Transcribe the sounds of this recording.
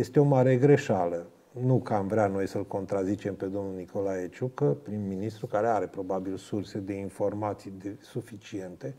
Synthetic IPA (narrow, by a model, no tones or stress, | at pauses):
je̞st̪eo̞maɾeɡɾeʃalə | nukamvɾeano̞jsəlko̞nt̪ɾazit͡ʃe̞mpe̞d̪o̞mnulniko̞laet͡ʃukəpɾinminist̪ɾukaɾe̞aɾe̞pɾo̞babilsurse̞d̪e̞info̞rmat̪sijd̪esufit͡ʃie̞nt̪e̞